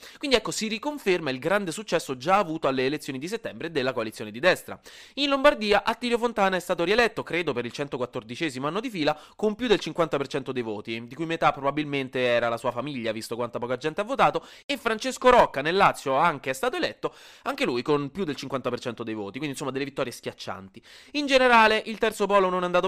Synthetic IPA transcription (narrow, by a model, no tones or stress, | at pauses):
kwind̪iɛkːosirikoɱfermailɡɾand̪esut͡ʃːɛsːod͡ʒaːvuːt̪oalːeːlet̪sjoːnid̪iset̪ːɛmbɾed̪elːakoalit̪sjoːned̪id̪ɛst̪ɾa̰inlombard̪iːaʔat̪ːiːljofont̪aːnaɛst̪aːt̪oɾielɛt̪ːokɾeːd̪opeɾilt͡ʃɛnt̪okwat̪ːord̪it͡ʃɛːzimoanːod̪ifiːlakompjud̪ːelt͡ʃiŋkwant̪apert͡ʃɛnt̪od̪ejvoːt̪id̪ikujmet̪apːɾobabilment̪eɛːɾalasuːafamiʎːavist̪okwant̪apɔːkoad͡ʒɛnt̪eavːot̪aːt̪o | efːɾant͡ʃeskoɾɔkːanelːat̪sːjoaŋk̟eɛst̪aːt̪oelɛt̪ːoaŋkelujkonpjud̪ːelt͡ʃiŋkwant̪apert͡ʃɛnt̪od̪ejvoːt̪ikwind̪insomːad̪elːevit̪ːɔːɾjeskjat͡ʃːa̰nt̪iind͡ʒeneɾaːleʔilt̪ɛrt̪sopɔːlononɛand̪aːt̪o